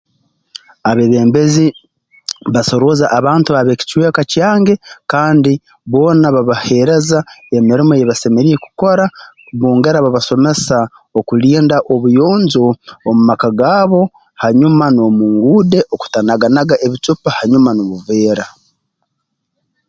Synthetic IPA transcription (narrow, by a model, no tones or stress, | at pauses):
aβeβeːmbe̞zi | βaso̞ɾo̞zaʔaβaːntuaβeci̥ciwe̞ːkacaːŋɡe̞kaːndi | βo̞ːnaβaβahe̞ɾe̞zae̞miɾimojeβase̞me̞ɾije̞ku̥ko̞ɾa | βoːŋɡe̞ɾaβaβaso̞me̞sa | okuliːndaʔo̞βujo̞ːɲzo̞ːmumakaɡaːβo̞ | haɲumano̞muŋɡuːde̞ʔo̞ku̥tanaɡanaɡaʔe̞βit͡ʃupahaɲumanoβuve̞ːɾa